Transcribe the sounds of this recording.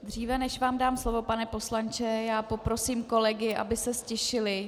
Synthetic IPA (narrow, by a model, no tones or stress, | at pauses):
d̪r̝iːvɛnɛʃvaːmdaːmslo̞vo̞panɛpo̞slant͡ʃɛjaːpo̞pɾo̞siːmko̞lɛɡɪʔa̰bɪsɛscɛʃɪlɪ